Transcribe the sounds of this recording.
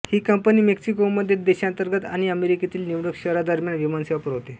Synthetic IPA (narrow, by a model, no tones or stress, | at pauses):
hiːkəmpəniːmeksikomːəd̪ʱːjed̪eɕãnt̪əɾɡət̪a̰ɽ̃iəmeɾiket̪iːlniʋɽəkɕəɾad̪əɾmjanʋimanseʋapəɾɦot̪e